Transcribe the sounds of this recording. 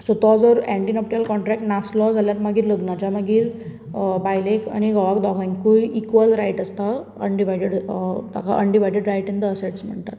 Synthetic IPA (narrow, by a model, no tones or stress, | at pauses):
sɔt̪ɔd͡zəɾɛ̃ɳʈinɔp̚ʈiəlkɔɳʈɾɛk̚ʈnaslɔd͡zʱaljat̪məɡiːɾləɡnad͡ʑaməɡiːɾ | bajleka̰ñiɡɔʋakd̪ɔɡãnkuikʋəlɾajʈəst̪a | əɳɖiʋajɖeɽt̪a̰ka̰ʔəɳɖiʋajɖeɖɾajʈind̪əːseʈsm̤əɳt̪at̪